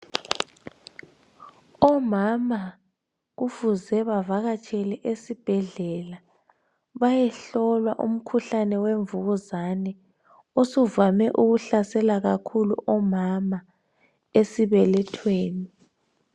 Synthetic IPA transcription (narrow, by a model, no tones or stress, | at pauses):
ɔmama | ɣufuzɛβavaɣat͡ʃʰʼɛlɛʔesib̥ʱɛɮɛla | βajɛɬɔlwaʔṵm̩kʰuɬanɛweɱvuɣuzanɛ | osuvamɛʔuɣuɬasɛlaɣakʰulṵʔɔmama | esiβɛlɛtʰweːni